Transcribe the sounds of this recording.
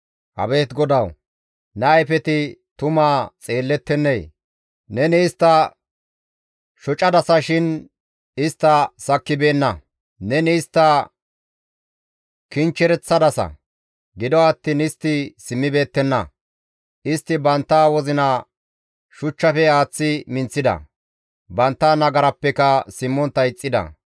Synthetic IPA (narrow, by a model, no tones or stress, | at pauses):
hɐ̰beːt̪ɡɔd̪ɐw | nɛːjfɛt̪ɪt̪ʊmaːt͡sʼe̞ːlːɛt̪ːɛnːeːj | nɛnɪɪst̪ːɐ | ʃɔt͡ʃʼɐd̪ɐsɐʃɪn | ɪst̪ːɐsɐkːɪbe̞ːnːɐ | nɛnɪɪst̪ːɐ | kɪnt͡ʃːɛɾɛt͡sːɐd̪ɐsɐ̰ | ɡɪd̪ɔɐt̪ːinɪst̪ːɪsɪmːɪbe̞ːt̪ːɛnːɐ̰ | ɪst̪ːɪbɐnt̪ːaːwɔzɪnɐ | ʃʊt͡ʃːɐfɛaːt͡sːɪmɪnt͡sːɪd̪ɐ̰ | bɐnt̪ːaːnɐɡɐɾɐpːɛkɐsɪmːɔnt̪ːɐɪt͡sʼːɪd̪ɐ̰